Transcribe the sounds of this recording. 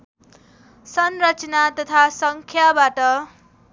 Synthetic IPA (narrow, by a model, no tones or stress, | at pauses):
sʌnrʌt͡sʌnat̪ʌt̪ʰasʌŋkʰjabaʈʌ